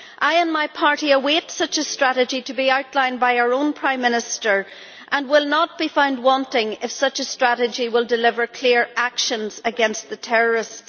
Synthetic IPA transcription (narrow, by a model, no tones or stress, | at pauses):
ʔaɪə̃nmaɪpʰaɹɾiəwetsʌt͡ʃəstɹ̥aɾɨd͡ʒitəbiaʊtˡlãɪ̃nbaɪaʊə˞õʊ̃npʰɹ̥ãɪ̃mːɪ̃nɪstə˞ | ʔə̃nwɪlˠnət̚b̥ifãʊ̃nd̚wɔ̃ntɪ̃ŋɪfsʌt͡ʃəstɹ̥aɾɨd͡ʒiwɪlˠdɪlɪvə˞kʰl̥iɹakʃə̃nz̥əɡɛ̃nst̪̚ðətʰɛɹə˞ɪsts